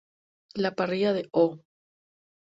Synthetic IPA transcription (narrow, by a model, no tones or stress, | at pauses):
lapariʝaðeʔo